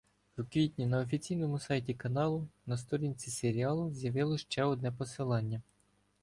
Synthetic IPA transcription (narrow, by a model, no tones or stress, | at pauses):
wukʋʲitʲnʲinɐɔfʲit͡sʲijnɔmʊsɑjtʲikɐnɑlˠʊnɐst̪ɔɾʲinʲt͡sʲiseɾʲiɑlˠʊzʲjɐʋɪlˠɔʃt͡ʃɛɔd̪nɛpɔsɪlˠɑnʲːɐ